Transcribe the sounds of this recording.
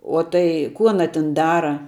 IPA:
ˈoː tɐɪ kʊ ˈɑːnɐ tʲɪn ˈdɑːrɐ

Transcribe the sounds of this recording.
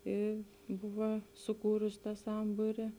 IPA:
ɪ ˈbʊʋɐ sʊˈkuːrʊs ˈtɑː ˈsɐmbuːrʲɪ

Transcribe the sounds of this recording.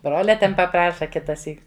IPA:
ˈbroːlʲɛ ˈtʲɛn pɐˈprɑːʃɐ ˈkʲɪtɐˌsʲiːk

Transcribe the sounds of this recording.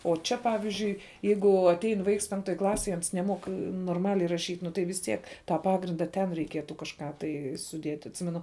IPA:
oː ˈt͡ʃʲɛ ˈpɑːʋʲɪzʲd͡ʒʲʊɪ ˈjɛɪɡʊ ɐtʲˈɛɪn ˈʋɐɪks ˈpʲɛŋktoːj ˈklˠɑːsʲeːj ˈɐns nʲɛˈmuɔk noːrˈmɑːlʲɛɪ rɐˈʃʲiːtʲ nʊ tɐɪ ʋʲɪs ˈtʲiɛk tɑː ˈpɑːɡrʲɪndɐ tʲɛn rʲɛɪˈkʲiɛtʊ kɐʃˈkɑː tɐɪ sʊˈdʲiɛtʲ ɐtʲˈsʲɪmʲɛnʊ

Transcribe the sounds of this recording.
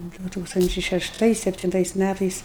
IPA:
ˈdʊ ˈtuːkstɐnʲt͡ʃʲɛɪ ʃʲɛʃˈtɐɪs sʲɛpʲtʲɪnˈtɐɪs ˈmʲætɐɪs

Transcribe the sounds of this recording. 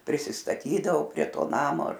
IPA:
pʲrʲɪsʲɪstɐˈtʲiːdɐʋoː pʲrʲiɛ ˈtoː ˈnɑːmoː ɐr

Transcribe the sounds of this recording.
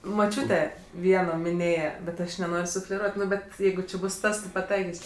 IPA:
moːˈt͡ʃʲuːtʲɛ ˈʋʲiɛnoː mʲɪˈnʲeːjɛ bʲɛt ˈɐʃ nʲɛˈnoːrʲ sʊfʲlʲɛˈruɔtʲ ˈnʊ ˈbʲɛt ˈjɛɪɡʊ t͡ʃʲɪ ˈbʊs ˈtɐs tʲɪ pɐˈtɐɪkʲɪsʲ

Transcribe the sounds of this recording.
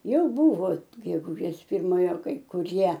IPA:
ˈjɛʊ ˈbʊʋoː ɡʲɛɡʊˈʒʲeːs pʲɪrˈmoːjoː kɐɪ kʊˈrʲiɛ

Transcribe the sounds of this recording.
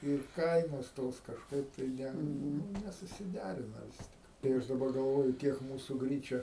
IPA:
ɪr ˈkɐɪnoːs ˈtoːs kɐʃˈkɐɪp tɐɪ ˈnʲɛ ˈnʊ nʲɛsʊsʲɪˈdʲæːrʲɪnɐ ˈʋʲɪs tʲɪk tɐɪ ˈɐʃ dɐˈbɐr ɡɐlˠˈʋoːjʊ ˈkʲiɛk ˈmuːsʊ ˈɡrʲiːt͡ʃʲɛ

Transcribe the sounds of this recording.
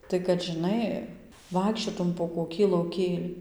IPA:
tɐɪ kɐt ʒʲɪˈnɐɪ ˈʋɐɪkʃʲt͡ʃʲoːtʊm poː koːˈkʲiː lˠɐʊˈkʲeːlʲiː

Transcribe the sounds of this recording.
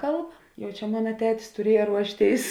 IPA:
ˈkɐlˠp ˈjɛʊ ˈt͡ʃʲɛ ˈmʊnɐ ˈtʲæːtʲɪs tʊˈrʲiɛjɛ ˈruɔʃʲˌtʲeːɪs

